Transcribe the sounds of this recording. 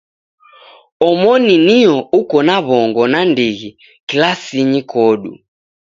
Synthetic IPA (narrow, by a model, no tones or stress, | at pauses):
ɔmɔniniɔukɔnaβɔŋɡɔnandiɣi | kilasiɲikɔɗṵ